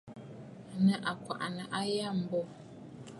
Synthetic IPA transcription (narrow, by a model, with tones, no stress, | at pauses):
nə˨ʔa˨kwa̰˨ʔnə˨ʔa˦ja˦˨m̩˨bɔ˦˨